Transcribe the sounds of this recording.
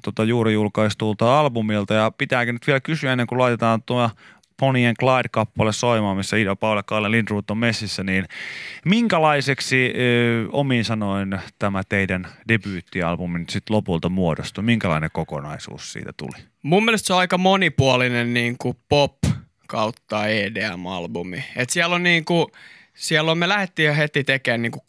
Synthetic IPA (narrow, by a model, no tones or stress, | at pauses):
t̪ot̪ɑjuːrijulkɑist̪ult̪ɑɑlbumilt̪ɑjɑpit̪æːkønyt̪ʋielækysyæenːeŋkulɑit̪et̪ɑːnt̪uɑ | ponieŋklɑidkɑpːɑlessoimɑːmisːæidopɑulɑkːɑolelintruːt̪ːommesːisːæniːnmiŋkælɑiseksi | o̰miːnsɑnoint̪æmæt̪eidændebyːt̪ːiɑ̰lbuminsit̪lopult̪ɑmuodost̪umiŋkælɑ̰inekokonɑisṵːssḭːt̪æt̪ṵli | mumːiælest̪soɑikɑmonipuɑlinenniːŋkupop | kɑut̪ːɑeːdeæ̰mɑ̰lbumiet̪siælːonniːŋku | siælːommelæhet̪ːiːhet̪it̪ekeːnniːŋku